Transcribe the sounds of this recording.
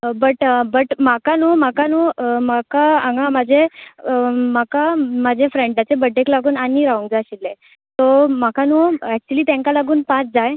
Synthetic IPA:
bəʈbəʈmakanumakanomakaaŋɡaməd͡ʑʱe | makamad͡ʑʱefɾeɳʈat͡sebəɖeklaɡuːnaniːɾaũŋɡd͡zaɕilːẽ | t̪omakanoɛk̚t͡ɕuliːt̪jãŋkalaɡuːnpãt͡sd͡zaj

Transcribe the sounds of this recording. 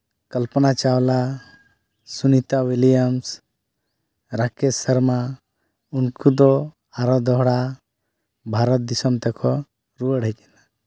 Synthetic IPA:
kəlpənat͡ʃawla | sunit̪awilijəms | ɾakesəɾma | unkud̪ɔ | aɾɔd̪ɔɦɽa | bʱaɾɔt̪̚d̪isɔmt̪ɛkʰɔ | ɾuəɽ̤ʱəkɛna

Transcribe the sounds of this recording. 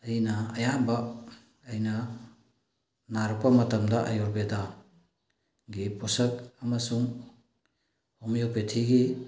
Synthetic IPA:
ɐjnɐːjanba | ɐjnɐ | naɾɔk̚pɐmɐtɐmdɐʔɐ̰joɾbeda | ɡipɔsɐk̚ɐmɐsuŋ | omjopetʰiɡi

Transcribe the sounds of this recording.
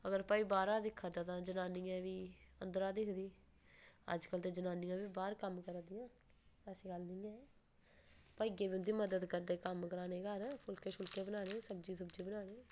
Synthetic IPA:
əɡəɾpaːiːbaːɾaːd̪ɪkʰːaːd̪aːt̪ãːd͡ʒənaːniːãːʋiːə̰nd̪əɾaːd̪ɪkʰd̪iː | ə̰d͡ʒkəlt̪ẽːd͡ʒənãːnɪjãːʋiːbaːɾkəmkəɾd̪ɪjãː | ɛsiːɡəlnɪ̃ːɛ̃ː | paːiːɡeːbiʊnd̪iːməd̪əd̪kəɾd̪eːkəmkəɾaːneːɡəɾpʰʊlkeːʃʊlkeːbənaːnẽːsəb̚d͡ʒiːs̬əbd͡ʒiːbənaːneː

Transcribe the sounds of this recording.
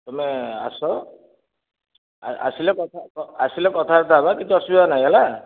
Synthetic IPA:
t̪ɔmɛa̰sɔ | a̰silɛkɔt̪ʰakɔasilɛkɔt̪ʰaɔt̪ʰabakit̪uasubibanajɡala

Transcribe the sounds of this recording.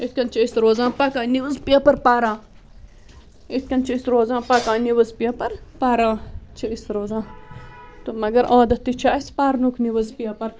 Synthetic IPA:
it̪̚ʰkʲɐnt͡ʃʰiisɾoːzãːpɐkãːniʋɐzpijɐpɐɾpaːɾãː | it̪̚kʲɐnt͡ʃʰiisɾoːzãːpɐkãːniʋɐzpijɐpɐɾpaːɾãːt͡ʃʰiisɾoːzãː | t̪omɐɡɐɾaːd̪ɐt̪ːit͡ʃʰaːispaːɾnukʰniʋɐzpijɐpɐɾ

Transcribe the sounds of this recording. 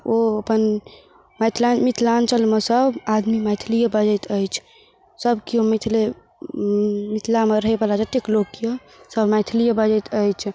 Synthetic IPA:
oəpən | məjt̪ʰlanmit̪ʰlant͡ʃʰəlmesəbʱad̪mimajt̪ʰlijəbəd͡ʒəjt̪ʰəjt͡ʃʰ | səbkiɦomit̪ʰle | mit̪ʰlameɾəɦebəlad͡ʒət̪ekloɡkːio | səbmajt̪ʰlijebəd͡ʒəjt̪əjt͡ʃʰ

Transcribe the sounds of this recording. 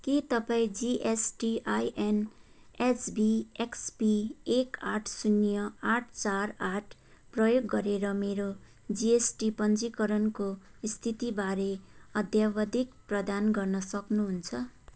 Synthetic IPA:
kit̪ʌpaĩd͡ziʔesʈiʔajʔen | esbieksbiekaʈʰsunjʌaʈʰt͡saraʈʰ | prʌjoɡːʌɾeɾʌmeɾo | d͡ziesʈipʌnd͡zikʌɾʌnkoist̪ʰit̪ibaɾeʌd̪ʱjabʌd̪ʱikprʌd̪anɡʌrnʌsʌknuɦunt͡sʰʌ

